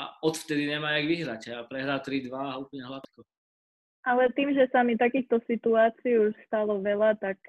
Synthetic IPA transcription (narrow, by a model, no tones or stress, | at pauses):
a̰ɔt̪ft̪ɛd̪iɲɛmajaɡʋiɦɾacɛapɾɛɦɾaːt̪ɾid̪ʋaːuplɲɛɦlat̪kɔ | alɛt̪iːmʒɛsamit̪akiːxt̪ɔsit̪uaːt͡siːuʃst̪alɔʋɛlat̪ak